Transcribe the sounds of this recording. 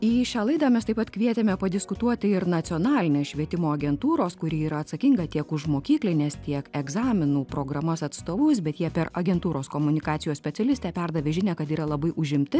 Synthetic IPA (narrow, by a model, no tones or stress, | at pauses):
iːʃʲɑːlˠɐɪd̪ɑːmʲɛst̪ɐɪpɐt̪kʋʲiɛt̪ʲemʲɛpɐd̪ʲɪskʊt̪uɔt̪ʲɪɪɾnɐt̪sʲɪoːnɑːlʲɪnʲeːsʃʲʋʲiɛt̪ʲɪmoːɐɡʲɛnt̪uːɾoːskʊɾʲiːiːɾɐɐt̪sɐkʲɪŋɡɐt̪ʲiɛkʊʃmoːkʲiːklʲɪnʲeːst̪ʲiɛkɛɡzɑːmʲɪnuːpɾoːɡɾɐmɐsɐt̪st̪oːʋʊsbʲɛt̪jiɛpʲɛɾɐɡʲɛnt̪uːɾoːskoːmʊnʲɪkɑːt̪ʲɪjoːsʲpʲɛt̪sʲɛlʲɪsʲt̪ʲɛːpʲɛɾd̪ɐʋʲeːʒʲɪnʲɛkɐt̪iːɾɐlˠɐbɐɪʔʊʒʲɪmʲt̪ʲɪ